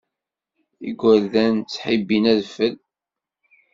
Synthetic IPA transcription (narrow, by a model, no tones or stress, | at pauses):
ḭɡʷælðænt͡sːħibːinæðfəl